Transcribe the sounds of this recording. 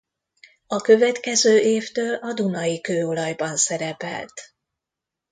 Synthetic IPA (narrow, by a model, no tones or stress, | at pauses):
ɒkø̞vɛt̪kɛzøːʔeːft̪øːlɒd̪unɒjikøːolɒjbɒnsɛɾɛpɛ̰lt̪